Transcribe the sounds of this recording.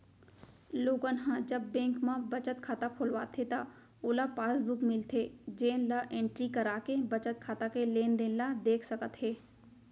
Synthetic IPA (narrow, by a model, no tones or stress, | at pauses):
loːɡənɦãd͡ʒɐbːẽːŋkmãbɐt͡ʃət̪kʰaːt̪akʰoːlʋa̰ːt̪ʰet̪a | oːlapaːsbʊkmɪlt̪ʰed͡ʒeːnlaʔẽːɳʈɾikəɾaːkebɐt͡ʃət̪̚kʰaːt̪akeleːnd̪eːnlad̪eːkʰsɐkət̪ɦeː